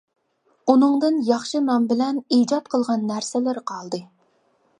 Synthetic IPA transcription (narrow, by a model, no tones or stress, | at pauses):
unɨŋd̪ɨnjɑχʃɨmɛmbɪlɛnid͡ʒɑt̪̚qʰəlˠʁɑnːæɾsɪlɪɾqʰɑlˠd̪ɨ